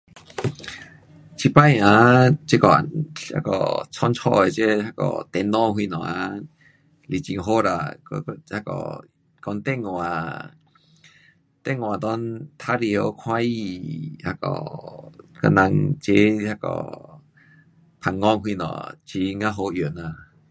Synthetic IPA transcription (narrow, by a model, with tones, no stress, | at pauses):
t͡ɕʰi˧pa˧˨jã˧˦t͡ɕe˦˧kɔ˧˨a̰˧˩kɔ̰˧t͡sʰɔ˧˦nt͡sʰɔ̰˧˨e˨˧˨t͡ɕe˦ha˧kɔ̰˨˧˩t̪ɛ˧˦nːɔ˥˧˨ŋɦwi˧nɔ̰̃˨˩a̰˧˦ | li˨˩t͡ɕi˧˨ŋɦo˦ɾa̰˧˩˨kɔ̰˧ha˧kɔ̰˨˩ | kɔ˧nt̪ɛ˧˨ŋwa˨ | t̪ɛ˥˧˨ŋwa˨˩t̪ɔ˧˦nt̪ʰa˦li˧ə˧˦kʰw̃ã˧˦i˧ha˧kɔ̰˧˩ | ka̰˧˦na˧ŋt͡ɕe˦ha˧˩kɔ̰˧˩ | pʰa˨˩ŋːɔ˧˨ŋɦwi˧nɔ̰̃˨t͡ɕi˧˦ŋã˦ɦo˧ju˨˩na˨˧